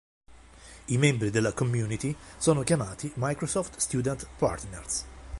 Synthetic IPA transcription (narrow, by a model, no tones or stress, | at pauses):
imɛmbɾid̪ɛlːɐkɔmːjuːnit̪isɔːnɔkjɐmaːt̪imɐjkɾɔsɔft̪st̪juːd̪ɛnt̪pa̰ɾt̪nɛɾs